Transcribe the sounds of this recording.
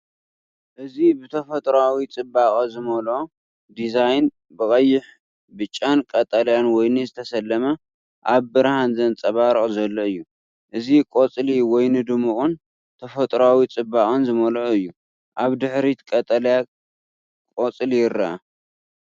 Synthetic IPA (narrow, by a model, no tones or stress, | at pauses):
ʔɨzibɨt̪ʰɐfɐt̪ʼɾawit͡sʼɨbːakʼɐzɨmɐlʔo | d̪izajn | bɨkʼɐjːɪħ | bɨt͡ʃʼːankʼɐt̪ʼɐljanwɔjnɨzɨt̪ʰɐsɐlːɐmɐ | ʔaβbɨɾhanzɐnt͡sʼɐβaɾʔʼzɐlːoɨjːu | ʔɨzikʼot͡sʼliwɔjnɨd̪ɨmɨχʼʊn | t̪ʰɐfɐt̪ʼɾawit͡sʼɨbːakʼɐnzɨmɐlʔoɨjːu | ʔaβd̪ɨħɾit̪kʼɐt̪ʼɐlja | kʼot͡sʼlijɪrːɐʔɐ